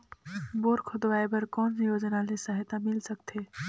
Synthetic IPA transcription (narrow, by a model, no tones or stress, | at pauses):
boːɾkʰod̪ʋaːebɐɾkɔːnsjoːd͡ʒnalesɐɦt̪amɪlsɐkt̪ʰeː